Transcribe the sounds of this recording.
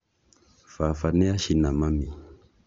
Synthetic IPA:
fafanɛaʃinamami

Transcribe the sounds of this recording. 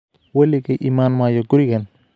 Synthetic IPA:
wɛlɪɣɐʔiːmaːnmaːjɔɡʊɾɪɣɐn

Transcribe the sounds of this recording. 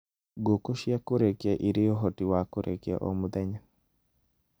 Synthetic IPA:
ɡokoʃjakoɾekɛʔiɾɪɔɦɔtiwakoɾḛkɛ̰ʔɔ̰mud̪ɛɲa

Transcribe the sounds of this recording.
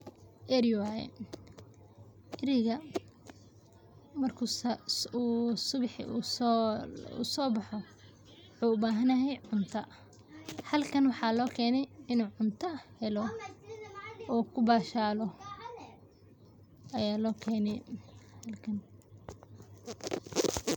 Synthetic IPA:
ʔɛɾwajɛ̰ | ʔɪɾɪɣɐ | mɐrkʰu | uːsʊβħu | ṵːsɔːbɑħɔ | wʊħuːʊbaːɦɐnɐɦɛjʕʊnt̪ʰɐ | hɐlkʰɐnwɑħɑːlɔːkʰɛːnɛjɪnuːʕʊnt̪ʰɐhɛlɔ | ɔːkʰʊbaːʃaːlɔ | ʔɐjaːlɔːkʰɛːnɛjhɐlkʰɐn

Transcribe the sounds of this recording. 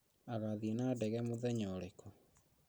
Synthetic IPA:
aɣaðienadɛɣɛmoðɛɲɔɾekʰɔ

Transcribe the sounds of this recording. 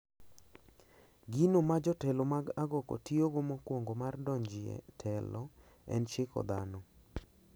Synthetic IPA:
ɡinomad͡ʒɔtɛlomaɡaɡɔko̰tioɡomɔkwoŋɡomardɔɲd͡ʒɪɛ̰tʰɛlɔ | ɛ̰nt͡ʃɪkɔ̰d̪anɔ

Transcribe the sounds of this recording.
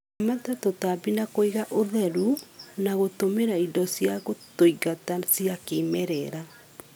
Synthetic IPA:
amatatotabinakoiɣaʔoðɛɾunaɣotomeɾaidɔsjaɣotoiɣatasjakemɛɾɛɾa

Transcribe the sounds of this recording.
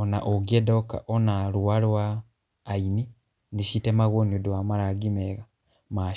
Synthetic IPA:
ona̰ʔoɡiedoka̰ʔonaɾuwalwaː | ini | niʃitemaɣoniodwamaɾaɡimeɣa | ma

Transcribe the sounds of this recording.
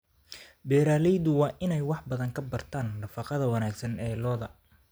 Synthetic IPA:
bɛːɾaːlɛjðʊwɑːʔɪnɛjwɑħbɐðɐŋkʰɐbɐrt̪ʰaːnɖɐfɑqɑðɐwɑnaːɡsɐnɛːlɔːðɐ

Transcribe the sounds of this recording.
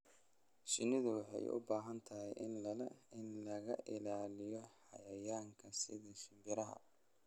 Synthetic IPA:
ʃɪnɪðʊwɑħɑ̰jʔʊ̰baːɦɐnt̪ʰɐɦɛjʔɪnlɐlɛɪnlɐɣɐʔɪlaːlɪjɔħɑ̰jɐjaːŋkʰɐsɪðɐʃɪmbɪɾɐɦɐ̰

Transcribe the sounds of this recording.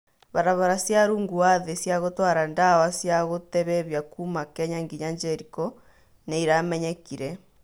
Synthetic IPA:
βaɾaβaɾasjaɾuːŋɡuwaðesjaɣotwaɾandawasjaɣotɛβɛβjakumakɛɲaŋɡiɲaɲd͡ʒɛɾikɔ | neiɾamɛɲɛkiɾɛ

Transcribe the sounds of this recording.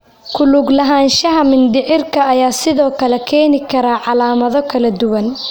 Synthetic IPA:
kʰʊluɡlɐɦaːnʃɐɦɐmɪnd̪ɪʕɪrkʰɐːjaːsɪðɔːkʰɐlɛkʰɛːnɪkʰɐɾaːʕɑlaːmɐðɔkʰɐlɐd̪ʊwɐn

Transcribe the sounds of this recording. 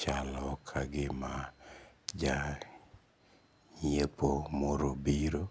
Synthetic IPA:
t͡ʃalɔkʰaɡɪma | d͡ʒa | ɲepomɔɾobiɾo

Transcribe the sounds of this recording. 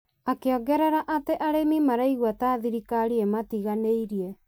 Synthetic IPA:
akeɔɡɛɾɛɾaʔateʔaɾemimaɾaiɣwataːðiɾikaɾiematiɣaneiɾiɛ

